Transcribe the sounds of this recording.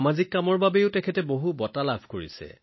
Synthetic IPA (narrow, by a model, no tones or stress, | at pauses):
mazikːamɔɹbabɛʊtɛkʰɛtɛboɦubɔtalabʱkoɹḭsɛ̰